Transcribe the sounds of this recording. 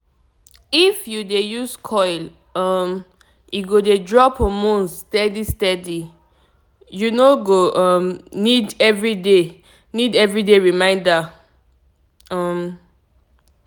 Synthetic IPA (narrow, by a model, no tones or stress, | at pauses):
ifjudejuskʰɔɪl | ʌ̃m | iɡodedɹɔpɔmõnstɛdistɛdi | junoɡoʔʌ̃mnidɛvɹide | nidɛvɹideɹimãɪ̃nda | ʌ̃m